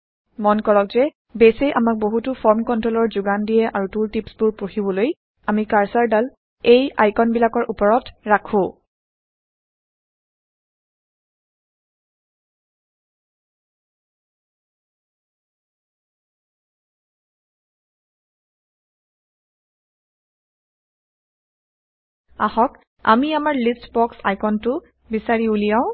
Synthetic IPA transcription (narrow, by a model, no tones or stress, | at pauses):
mɔnkɔɹɔkzɛ | besejʔamak̚boɦutʊfʰɔɹmkɔntɹolɔɹzʊɡandijɛʔaɹutultipsbʊɹpoxibɔloj | amikaɹsaɹdal | ejajkɔnbilakɔɹʔupɔɹɔtɹakʰʊ̃ | a̰xɔk | a̰miamaɹliftbɔksa̰jkɔntʊ | bisaɹiulijaʊ̃